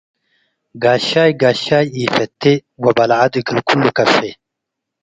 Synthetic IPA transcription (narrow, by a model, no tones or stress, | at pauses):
ɡaːɕaːjɡaːɕaːjiːfet̪ːewɐbɐlʕad̪iɡiɾkulːukɐfe